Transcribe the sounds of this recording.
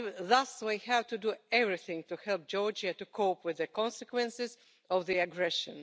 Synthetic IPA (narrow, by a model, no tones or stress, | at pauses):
ðʌswihævtuduɛvɹiθɪ̃ŋtuhɛlˠp̚d͡ʒɔɹd͡ʒatukʰoʊpwɪðɨkɔ̃nsɛkwɛ̃nsɪz | ɔvðiɨɡɹɛʃə̰̃n